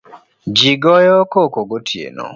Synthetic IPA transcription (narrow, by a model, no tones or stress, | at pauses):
d͡ʒiɡɔjɔkokoɡotʰiḛnɔ̰